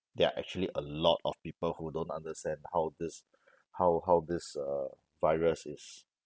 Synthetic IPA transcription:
dɛa̰ʔɛ̰k̚t͡ʃuəliʔəlɔtɔ̰fpipəlhudõntã̰ndəstɛ̃ndhawdɪs | hawɦawdɪsə | vaɪɹəsɪs

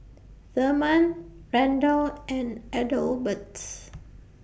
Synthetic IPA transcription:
fəmãnɹɛ̃ndəlɛ̃nɛdəlbəts

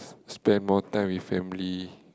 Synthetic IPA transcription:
spɛ̃nmɔtãɪ̃mwifɛ̃mli

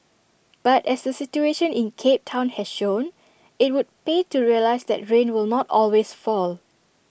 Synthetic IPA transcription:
b̥atɛsdəsit͡ʃueʃə̃nĩnkʰep̚tʰãʊ̃nhɛsʃõn | ɪt̚wud̚petuɹiəlaɪsd̪ɛ̰t̚ɹẽnwɪlnɔtɔlwesfɔl

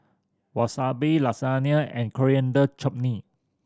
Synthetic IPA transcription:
wasabilasaniaɛ̰̃nkʰɔɹiə̃ndət͡ʃɔp̚ni

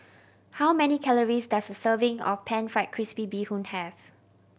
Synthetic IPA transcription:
hawmɛnikʰɛləɹisdasdəsəvɪ̃ŋɔ̰pʰɛ̃nfɹaɪt̚kʰɹispibihũnhɛv

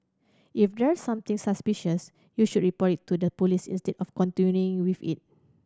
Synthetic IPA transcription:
ʔifdɛɹsãmt̪ĩŋsaspiʃəs | juʃud̚ɹipɔtitʰːudəpolisḭ̃nstɛdɔfkɔ̃ntinjuĩŋwifḭt̚

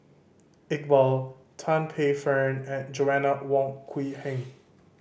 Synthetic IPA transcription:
ɪt̚bɔl | tʰãnpʰefɛ̃nɛ̃nd͡ʒoɛnəwɔ̃ŋkʰwihɛ̃ŋ

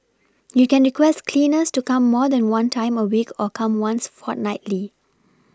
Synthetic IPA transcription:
jukɛ̃nɹikwɛstkʰlĩnəstukãmːɔdɛ̃nwãntʰãɪ̃məwikʰɔkʰãmwãnsfɔt̚naɪtli

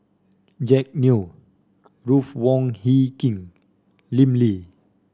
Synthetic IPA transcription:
d͡ʒɛk̚nio | ɹufwɔŋhikĩŋ | limli

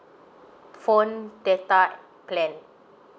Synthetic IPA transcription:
fõndɛt̪a | plɛ̃n

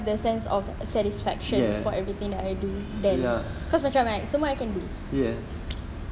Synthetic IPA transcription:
vdəsɛ̃nsɔ̰f | sɛɾisfɛ̰kʃə̃nfɔɛvɹit̪ĩŋdɛtajdudɛ̃nkɔsmajt͡ʃɹamaãsomɔajkɛ̃nbu | jɛ

